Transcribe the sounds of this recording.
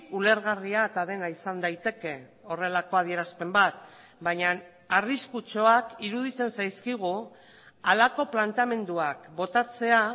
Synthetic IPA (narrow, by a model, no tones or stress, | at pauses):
ule̞ɾɣariaet̪aðe̞naisand̪ajt̪e̞ke̞o̞re̞lako̞að̞ie̞ɾaspe̞mbat̪ | baɲan | ariskut͡ʃo̞akiɾuðit͡se̞nsajskiɣ̞u | alako̞plant̪ame̞nd̪uakbo̞t̪at͡se̞a